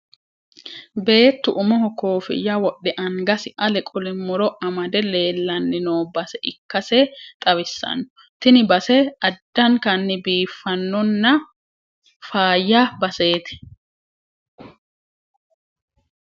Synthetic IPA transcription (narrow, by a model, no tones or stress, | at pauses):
be̞ːt̪ːʊʔʊmɔɦɔkoːfɪ̰jːɐwɔʔːɛʔɐŋɡɐsɪʔɐlɛkʼʊlɪmːɔɾɔʔɐmɐd̪ɛle̞ːlːɐnːɪnoːbɐsɛʔɪkːɐsɛt̪ʼɐβɪsːɐ̰nːɔ | t̪ɪnɪbɐsɛɐd̪ːɐŋkɐnːɪbiːfːɐnːɔnːɐ | faːjːabɐse̞ːt̪ɪ̥